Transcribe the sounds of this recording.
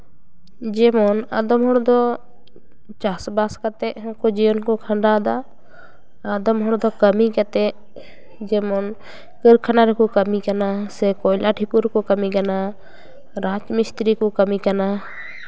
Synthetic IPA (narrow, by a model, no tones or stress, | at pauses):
d͡ʒɛmɔnad̪ɔmɦɔɽd̪ɔ | t͡ʃasbaskat̪ɛʔkɔd͡ʒiənkɔkʰãɳɖad̪aː | d̪ɔmɦɔɽd̪ɔkəmikat̪ɛ | d͡ʒɛmɔn | kəɾkʰanaɾɛkɔkəmikanasɛkɔjlaʈʰipuɾkɔkəmiɡana | ɾat͡ʃmist̪ɾikɔkəmikana